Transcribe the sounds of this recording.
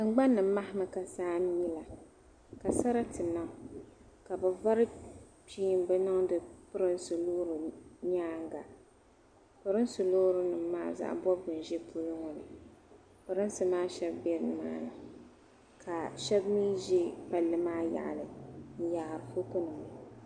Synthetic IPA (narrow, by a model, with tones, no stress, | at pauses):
ɨ˨ŋ͡mɡ͡ba˦nːɨ˨m̩ː˦a˦hɪ˦ma˨ka˨saː˦ɲi˦la˨ | ka˨sa˦ɾa˦tɨ˨na˦ŋ˨ | ka˨bɛ˨va˦ɾɨ˦piː˦˨mbɛ˦nɨ˦ŋdɨ˦pɨ˦ɾɨ˦nsɨ˨loː˦ɾɨ˨ɲaː˦ŋɡa˨ | pɨ˨ɾɨ˦n˦sɨ˨lo˦ɾɨ˦nɨ˨mːaː˦za̰˦ʔbɔ˦bɡɨ˨n˨ʒe˦pʰu˦lʊ˦ŋɔ˦nɨ̰˨ | pɨ˦ɾɨ˦nsɨ˨maː˦ʃɛ˦bbe˦ɾɨ˦nɨ˨ma̰ː˦nɨ˨ | kʰa˨ʃɛ˦bmiː˦ʒe˦pa˨lːɨ˦maː˦ja̰˨ʔlɨ˨n̩˦ja˨hɾɨ˨fo˦kʊ˦nɨ˨ŋɨ˨